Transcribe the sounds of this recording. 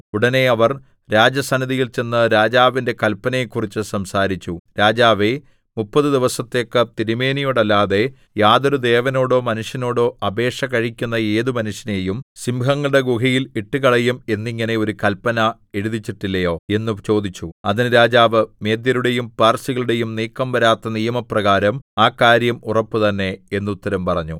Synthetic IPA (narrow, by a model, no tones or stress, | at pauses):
uɽɐne̞ɐʋɐr | ɾaːd͡ʑjɐsɐnɐðijilt͡ɕe̞nːɨɾaːd͡ʑaːʋinde̞kɐlpːɐnɐjekːurit͡ɕːɨsɐmsaːɾit͡ɕːuɾaːd͡ʑaːʋe | mupːɐðɨd̪iʋɐsɐt̪ːe̞kːɨt̪iɾume̞ːnijoːɽɐlːaːðe̞ | jaːðoɾud̪e̞ːʋɐno̞ːɽo̞ːmɐnuʂjɐno̞ːɽo̞ːʔɐbe̞ːʂɐkɐɻikʲːunːɐe̞ːðumɐnuʂjɐnejumsimɦɐŋːɐɭɨɽeɡuɣɐjiliʈːɨkɐɭɐjume̞nːiŋːɐne̞o̞ɾukɐlpːɐnɐ | e̞ɻuðit͡ɕːiʈːilːɐjo̞ːe̞nːut͡ɕo̞ːd̪it͡ɕːuɐðinɾaːd͡ʑaːʋɨme̞ːd̪jɐɾuɽe̞jumpaːrsiɣɐɭuɽe̞jumniːkːɐmʋɐɾaːt̪ːɐnijɐmɐprɐɣaːɾɐmaːkaːɾjɐmurɐpːɨt̪ɐnːe̞enːut̪ːɐɾɐmpɐrɐɲːu